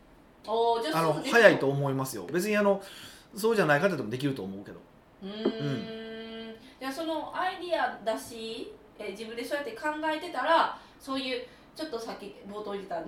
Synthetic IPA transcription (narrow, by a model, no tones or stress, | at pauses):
oːt͡ɕaanohajait̪o̞ːmo̞imasɨjo̞̰be̞t͡sɨɲ̟iano̞so̞ːʑanaikat̪ad̪emd̪ek̬ʲiɾɯ̟t̪oːmo̞ɯ̟ke̞d̪o̞̰ | ɯ̟̃ɯ̟̃ɴ | d͡ʑaso̞no̞ʔaid̪ʲiad̪aɕi | ed͡ʑibɯ̟̃nd̪e̞soːjat̪ːe̞kãŋɡae̞t̪e̞t̪aɾa | so̞ːjɯ̟ː | t͡ɕo̞t̪ːo̞sakʲːibo̞ːt̪o̞ːit̪e̞t̪ãnd̪e